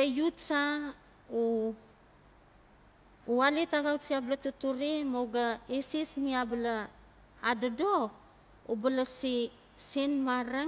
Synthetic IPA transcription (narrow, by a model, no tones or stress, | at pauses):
ejutsa | u | alitaɡawsiablatutuɾimowɡaisismiablaː | dado | ubalasi | sinmaɾe